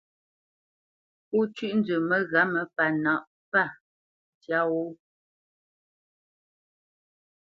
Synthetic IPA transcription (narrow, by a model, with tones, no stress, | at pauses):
pu˦t͡ʃɥi˦ʔn̩˦dʉ˨mə˦ɣa˨˦mə˨pa˨na˨ʔ | pa˦˨ | tja˦wo˦